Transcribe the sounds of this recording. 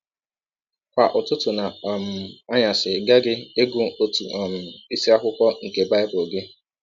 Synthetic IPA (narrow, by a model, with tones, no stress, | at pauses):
kʷa˨ʔʊ˨tʊ˦tʊ˨na˨m̩˨a˦ɲa˨sɪ˨ɡa˦ɡɪ˦e˦ɡu˦o˨tu˨ɔ˨m̩˨i˦si˦a˦kʷʊ˦kɔ˦ŋ̩˨ke˨ba˦ɪ˦bo˨ɡe˦